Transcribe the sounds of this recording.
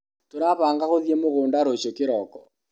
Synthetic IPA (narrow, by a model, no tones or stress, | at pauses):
toɾaβaːŋɡaɣoðjemoɣoːndaɾoʃokeɾɔkɔ̥